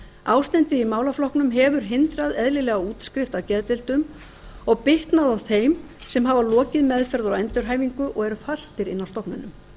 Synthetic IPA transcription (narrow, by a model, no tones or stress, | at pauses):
aːwst̪ɛnt̪ɪðimaːwlaflɔhknʏmɦɛvʏɾ̥ɦɪnt̪ɾaðɛðlɪlɛɣauːt̪skɾɪft̪awcɛðt̪ɪl̥t̪ʏm | ɔɣpɪht̪naðawθejm | sɛmɦavalɔːcɪðmɛðfɛɾðʏɾawɛnt̪ʏɾ̥ɦaːjviŋkʏʔɔɣɛɾfal̥t̪ɪɾɪnːawst̪ɔhpnʏnːʏm